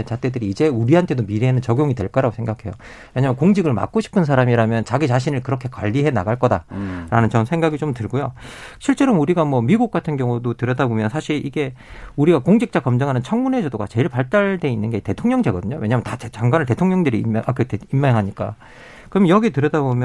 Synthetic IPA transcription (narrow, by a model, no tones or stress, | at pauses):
ent͡ɕat͈ʰe̞dɯɾiːd͡ʑe̞uɾiɦantʰe̞domiɾenɯnt͡ɕʌɡjoŋidwe̞̰ɭk͈aɾaɡosʰe̞ŋɡakʰe̞jo̰ | we̞ɲamjʌnkoŋd͡ʑiɡɯɭma̰k̚k͈oɕʰi̥pʰɯns̬ʰaɾamiɾamjʌnt͡ɕaɡit͡ɕaɕ̬ʰinɯɭkɯɾʌkʰe̞kwa̰ʎːiɦe̞na̰ɡaɭk͈ʌda̰ɾanɯnt͡ɕʌnsʰe̞ŋɡaɡit͡ɕomtɯɭɡojoɕʰiɭt͡ɕ͈eɾʌmuɾiɡamwʌmiɡuk̚k͈atʰɯnɡjʌŋudotɯɾʌdabomjʌnsʰaɕʰiɾʔiɡe̞uɾiɡakoŋd͡ʑʰik̚t͡ɕ͈akʌmd͡ʑʌŋɦanɯnt͡ɕʰʌŋmune̞d͡ʑʌdoɡa̰t͡ɕe̞iɭpaɭt͈aɭde̞inːɯnɡe̞te̞tʰoŋɲʌŋd͡ʑe̞ɡʌdɯɲowe̞ɲamjʌntat͡ɕet͡ɕaŋɡwanɯɭte̞tʰoŋɲʌŋdɯɾiʔakɯteimːaŋɦaɲik͈a̰ | kɯɾʌmnjʌɡitɯɾʌdabomjʌ